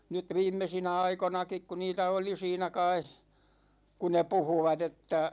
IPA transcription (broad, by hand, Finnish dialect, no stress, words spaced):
nyt ʋiːmːesinæ ɑikonɑkik ku niːtæ oli siːnæ kɑi ku ne puhuʋɑt etːæ